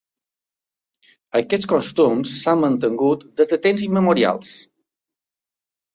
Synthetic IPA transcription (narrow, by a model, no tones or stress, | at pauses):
əkɛt͡sskɔst̪umsːamːənt̪əŋɡut̪d̪əzd̪ət̪emziməmuɾia̰lˠs